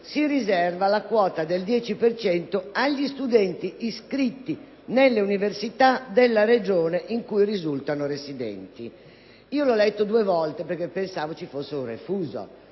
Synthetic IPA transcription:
sirizɛrvalakwɔːt̪ad̪eld̪jɛːt͡ʃipert͡ʃɛnt̪oaʎːist̪ud̪ɛnt̪iːskɾit̪ːi | nelːeuniversit̪ad̪elːaɾed͡ʒɔːneʔiŋkujrizult̪anoresid̪ɛ̰nt̪i | iːolɔlɛt̪ːod̪uːevɔlt̪epeɾkːepːensaːvot͡ʃifosːeurefuːzo̰

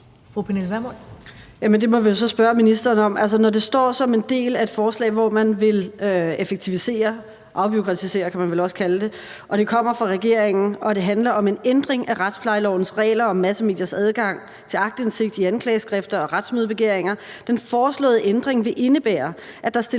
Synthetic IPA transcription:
fʁupʰenelʋæmɔjæmend̥e̝mɒ̽ʋijo̝s̬ɒ̽sb̥ɶɐminisd̥ɐːnɒ̽mʔæls̬ɐnɒd̥e̝sd̥ɒ̰ːsɒ̽me̝nd̥e̝̰ːlæe̝d̥fɒːslɛ̰ɪʋɒmænʋe̝løefeɡ̥̚t͡sʰiʋise̝̰ːɐ | ʔɑ̈ʊb̥yokʰʁɑt͡sʰise̝̰ːɐkʰæmænʋelɒ̽sə̥kʰæləd̥e̝ | ʔɒ̽ɾ̥e̝kʰɒ̽m̰ɐfʁɑ̈ʁɛɡ̥e̝ɐ̰eŋn̩ɒ̽d̥e̝ɦænlɐʔɒ̽me̝nend̥ʁeŋʔæʁad̥spʰlɑ̈ɪlɒ̰ʊn̩sʁɛ̰ːlɐɒ̽mæsəme̝̰ːd̥jɐsæð̞ˠɡ̥ɑ̈ŋ̰ | t͡sʰe̝lɑ̈ɡ̥̚d̥ense̝ɡ̥̚d̥iænkʰlɛ̰ːɪsɡ̥ʁɛfd̥ɐɒ̽ʁad̥smøðˠb̥e̝ɡ̥e̝ɐ̰eŋɐ | d̥enfɒːslɔ̰̽ːð̩ˠəʔend̥ʁeŋʋe̝ʔe̝nəb̥æ̰ːɐ | ʔæd̥ɑ̈sd̥e

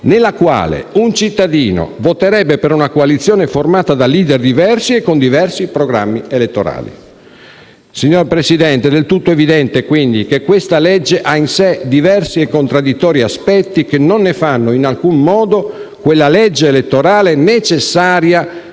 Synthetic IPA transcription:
nelːakwa̰ːlḛunt͡ʃit̪ːad̪iːno̰vot̪eɾɛbːepeɾunakoalit̪sːjoːneformaːt̪ad̪aliːd̪erd̪ivɛrsiekːond̪ivɛrsipɾoɡɾa̰mːielet̪ːoɾa̰ːlḭ | siɲːorpɾesid̪ɛnt̪ed̪elt̪ut̪ːoevid̪ɛnt̪ekwind̪ikekːwest̪alɛd͡ʒːeʔainsed̪ivɛrsiekːont̪ɾad̪ːit̪ːɔːɾiaspɛt̪ːikenːonːefanːoinalkummɔːd̪okwelːalɛd͡ʒːeːlet̪ːoɾaːlenet͡ʃesːaːɾja

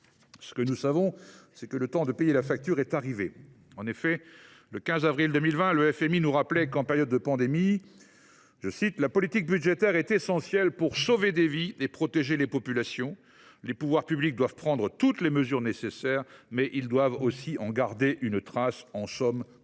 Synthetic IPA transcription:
sə̥kənusavɔ̃sɛkələt̪ɑ̃d̪əpejelafak̚t̪yʁɛt̪aʁive | ɑ̃nefɛ | ləkʲɛ̃zavʁild̪ømilvɛ̃ləɛfɛminuʁaplɛkɑ̃peʁjɔd̪ːəpɑ̃d̪emi | ʒəsit̪lapɔlit̪ik̚byd̪ʒet̪ɛʁɛt̪esɑ̃sjɛlpuʁsoved̪eviepχɔt̪eʒelepɔpylasjɔ̃ | lepuvwaʁpyblik̚d̪wavpχɑ̃d̪ʁət̪ut̪leməzyʁnesesɛːʁmɛʔild̪wavosiɑ̃ɡaʁd̪eʔynt̪χasɑ̃sɔm

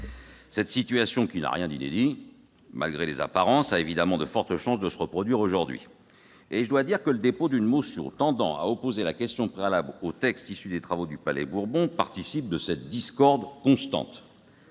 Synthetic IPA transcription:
sɛt̪sit̪ɥasjɔ̃kʲina̰ʁjɛ̃d̪inḛd̪i | ma̰lɡʁeleza̰paʁɑ̃saevid̪amɑ̃d̪əfɔʁt̪əʃɑ̃sd̪əsəʁəpχɔd̪ɥiʁoʒuʁd̪ɥḭ | eʒəd̪wad̪iʁkələd̪epod̪ynmosjɔ̰̃t̪ɑ̃d̪ɑ̰̃a̰ɔpozelakʲɛst̪jɔ̃pχealablot̪ɛkst̪isyd̪et̪χavod̪ypalɛ̰buʁbɔ̃paʁt̪isip̚d̪əsɛt̪̚d̪iskɔʁd̪kɔ̃st̪ɑ̰̃t̪

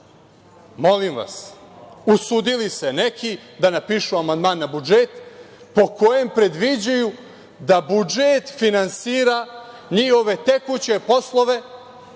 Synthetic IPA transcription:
mo̞limʋa̰susud̪ilise̞nekʰid̪anapiːʃuamand̪maːnːabud͡ʒet̪ | po̞ko̞je̞mpɾe̞d̪ʋid͡ʑuju | d̪abud͡ʒet̪finansiːɾa | ɲiho̞ʋe̞t̪ekut͡ɕe̞po̞slˠo̞ʋe̞

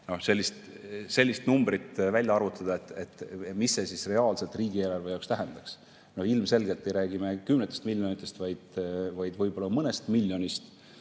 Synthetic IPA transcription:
no̞hse̞lʲːist̪ | se̞lʲːist̪numbɾit̪vælʲjɑɑɾut̪ːˑɑd̪̥ɑet̪ːˑet̪ːˑmisːe̞sisre̞ɑːlse̞lt̪ˑriːɡieːlɑrvejɑwkst̪æɦɛnd̪̥ɑks | no̞hilmse̞lɡe̞lt̪ːˑe̞jɾæːɡimekymnet̪ːˑest̪milʲjo̞nit̪ːˑe̞st̪vɑjd̪̥vɑjd̪vɤjb̥o̞lːɑmɤnest̪milʲːjo̞nist̪

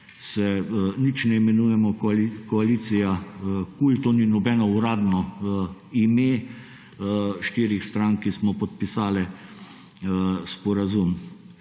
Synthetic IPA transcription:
sɛnit͡ʃnɛɛmɛnujɛmɔkɔaliːt̪sijakult̪oːninɔbɛnɔuɾaːd̪nɔ | imeː | ʃt̪iɾixst̪ɾaŋkismɔpɔt̪̚pisaːlɛ | spɔɾazum

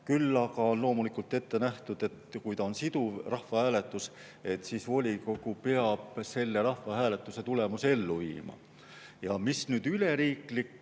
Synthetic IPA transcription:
kylːɑkɑonlo̞ːmulikult̪ːˑe̞t̪ːe̞næht̪ud̪̥e̞t̪kujt̪ɑonsid̪uvrɑhvɑhæːle̞t̪ːˑus | e̞t̪ːsiːsvo̞lʲiko̞ɡ̥upeɑb̥se̞lːe̞ɾɑhvɑhæːle̞t̪ːˑuse̞t̪ule̞musee̞lːuvḭːmɑ̰ | jɑmisnyːd̪̥yle̞ɾiːklik

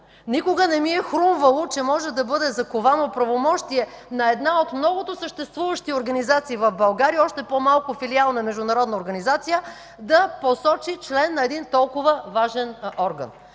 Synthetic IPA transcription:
nikʊɡənɛmiɛxɾumvəlˠot͡ʃɛmɔʒɛd̪ɐbɤd̪ɛzɐkovanopɾɐvomɔʃt̪iɛ | nɐɛd̪naot̪mnɔɡʊt̪osəʃt̪ɛst̪vuvəʃt̪ioɾɡɐnizat̪siːvɐvbɐlˠɡaɾiɔʃt̪ɛpomalˠkʊfilialˠnɐmɛʒd̪ʊnɐɾɔd̪nəoɾɡɐnizat̪sijə | d̪ɐposɔt͡ʃit͡ʃlɛnːɐɛd̪int̪ɔlˠkʊvəvaʒɛnɔɾɡə̰n

